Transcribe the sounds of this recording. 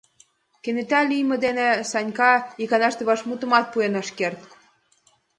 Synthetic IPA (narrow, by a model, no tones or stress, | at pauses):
kenet̪ælijmə̆d̪enesɑnʲkɑikɑnɑʃt̪eβɑʃmut̪ə̆mɑt̪̚puenɑʃkert̪k